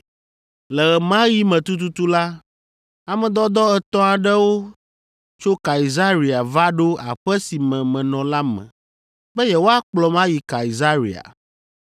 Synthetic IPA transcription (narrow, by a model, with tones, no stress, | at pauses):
lɛ˨ɣɛ˨mã˦ji˦mɛ̃˨t̪u˦t̪u˦t̪u˦la˦ | a˨mɛ̃˨d̪ɔ˦d̪ɔ˦ɛ˨t̪ɔ̃˦a˨ɖɛ˦wo˦ | t͡ʃo˦ka˨i˨za˦ɾi˨a˨va˦ɖo˦a̰˨ɸɛ˦si˨mɛ̃˨mɛ̃˨nɔ̃˨la˦mɛ̰̃˨ | bɛ˦jɛ˨wo˦a˦k͡plɔ˨mã˦ji˨ka˨i˨za˦ɾḭ˨a̰˨